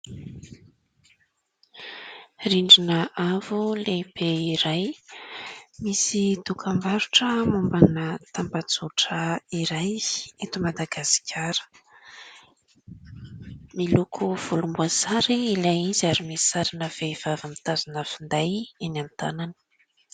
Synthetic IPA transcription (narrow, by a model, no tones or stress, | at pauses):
riɳɖ͡ʐinəʔavulebeiɾaj | misid̪ukʰambaɾuʈ͡ʂəmumbanət̪ambat͡suʈ͡ʂəiɾajet̪umad̪aɡasi̥kʰʲaɾə̥ | milukʰuv̥ulumbuazaɾiilajizaɾimisaɾinəvev̥avamit̪azinəfund̪ajenant̪a̰nani̥